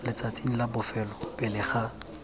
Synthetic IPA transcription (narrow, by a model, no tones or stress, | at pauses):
lɪt͡sʼat͡sʼin̩labʊfɛlɔbɪlɪχa